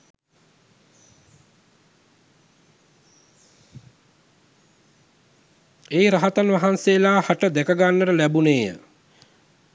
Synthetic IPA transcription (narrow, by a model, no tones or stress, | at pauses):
eːɾaɦat̪anʋaɦanseːlaːhaʈəd̪ɛkəɡanːəɾəlæbuneːjə̰